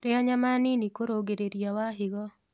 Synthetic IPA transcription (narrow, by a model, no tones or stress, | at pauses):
ɾɪɔɲamanɪnikoɾoɡeɾeɾjɔwaɦɪɡɔ